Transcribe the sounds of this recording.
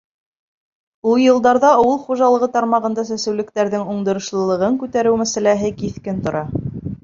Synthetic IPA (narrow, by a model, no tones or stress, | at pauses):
ulˠjɤ̆lˠd̪ɑɾðɑɑwɤlˠχuʒɑlˠɤ̆ʁɤt̪ɑɾmɑʁɤ̆nd̪ɑsæsɘ̆wlɘ̆k̚t̪æɾðɘŋuɴd̪ŏɾŏʃlˠɤ̆lˠɤ̆ʁɤŋkʉt̪æɾɘwmæsælæɦɘkiθkɘnt̪ŏɾɑ